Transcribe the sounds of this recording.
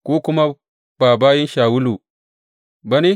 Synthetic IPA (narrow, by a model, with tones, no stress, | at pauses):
kʷoː˦kʊ˦ma˦ | b̥aː˨baː˦jɪ˦nʃaː˨wʊ˦lu˨ | ba˦ni˦